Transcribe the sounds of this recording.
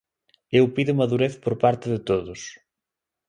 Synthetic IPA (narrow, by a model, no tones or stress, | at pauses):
ewpiðʊmaðuɾeθpoɾpaɾt̪ɪðɪt̪oðʊs